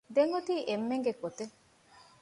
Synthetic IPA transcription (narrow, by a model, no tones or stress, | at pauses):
d̪eŋɡot̪iːʔemːeŋɡekot̪e